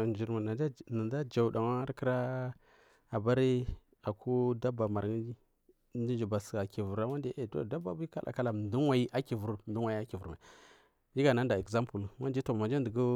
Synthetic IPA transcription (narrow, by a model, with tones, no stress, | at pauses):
n˨d͡ʒi˨ɾma˨na˨˦na˨da˦d͡ʒa˨da˨ŋa˦ɾkə˦ɾa˦ | a˨ba˦ɾi˦ | a˨ku˦da˦ba˨ma˨ɾ | di˦nd͡ʒi˨ba˨ska˨ki˨vu˨ɾa˦wa˦nde˦ʔe˨do̰˦˨da˦ba̰˨bu˦ka˦lʔa̰˨ka˦la˨ndu˦wa˨i˦ʔa˦ki˨vu˨ɾndu˦wa˨i˦a˦ki˨vu˨ɾma˨i˨ | d͡ʒi˦ɡa˨na˦n˦da˨e˨kza˦mpu˨lwa˦di˦to˨ma˨d͡ʒa˦də˨ɡu˦